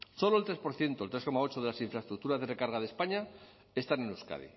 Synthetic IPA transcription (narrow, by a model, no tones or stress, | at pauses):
so̞loelt̪ɾe̞spo̞ɾθje̞nt̪olt̪ɾeko̞mao̞t͡ʃoð̞e̞lasiɱfɾaest̪ɾuk̚t̪uɾazðe̞re̞kaɾɣ̞aðespaɲa | e̞st̪anenuska̰ð̞ḭ